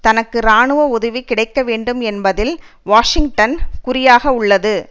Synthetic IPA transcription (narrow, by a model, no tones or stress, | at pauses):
t̪ɐnɐkːɯɾaːɳɯʋɐʊðɐʋikɪɽɐɪkːɐʋeːɳɖɯmɛnbɐðɪl | ʋaːʂɪŋɡʈɐnkʊɾɪjaːɣɐʊɭːɐðɯ